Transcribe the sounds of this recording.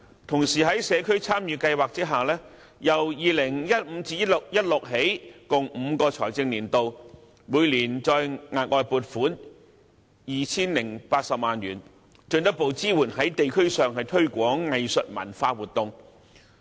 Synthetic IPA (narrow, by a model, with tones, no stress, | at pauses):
t̪ʰʊ˨˩ŋsiː˨˩ɦɐ˨˥jsɛː˨˧kʰɵ˥ɥt͡sʰaː˥mjyː˨˧kɐ˧jwaː˨k̚t͡siː˥ɦaː˨˩wlɛː˥ | jɐ˨˩wjiː˨˧lɪ˨˩ŋjɐ˥t̚m̩ː˨˧t͡siː˧jɐ˥tlʊ˨k̚jɐ˥t̚lʊ˨k̚ɦe˨˥jkʊ˨ŋm̩ː˨˧kɔː˧t͡ʃʰɔː˨˩jt͡sɪ˧ŋliː˨˩nt̪o˨w | muː˨˧jliː˨˩nt͡ʃɔː˧jŋaː˨t̚ʔɔː˧jpuː˨˩t̚fuː˨˥n | jiː˨t͡sʰiː˥nlɪ˨˩ŋpaː˧t̚sɐ˨p̚maː˨nɥyː˨˩n | t͡ʃɵ˧nt̪ɐ˥t̚po˨˧wt͡siː˥wuː˨˩nɦɐ˨˥jt̪e˨jkʰɵ˥ɥsœː˨ŋɦɐ˨˩jt̪ʰɵ˥ɥkʷɔː˨˥ŋɐ˨jsɵ˨t̚mɐ̰˨˩nfaː˧wuː˨˩t̚t̪ʊ˨˧ŋ